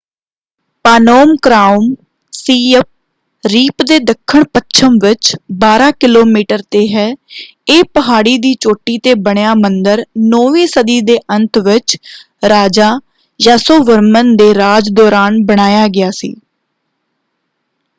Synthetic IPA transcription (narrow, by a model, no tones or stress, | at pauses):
paːnoːmkɾaːum | siːəp̚ | ɾiːpd̪eːd̪əkʰːəɳpətːʃʰəmʋɪt͡ʃbaːɾaːkɪloːmiːʈəɾt̪eːɦɛː | eːpəɦaːɽiːd̪iːt͡ʃoːʈːiːt̪eːbəɽ̃jaːmənd̪əɾnoːʋĩːsəd̪iːd̪eːʔə̃nt̪ʋɪt͡ʃ | ɾaːd͡ʒaː | jaːsoːʋəɾmənd̪eːɾaːd͡ʒd̪ɔːɾaːnbəɽ̃aːjaːɡɪaːsḭː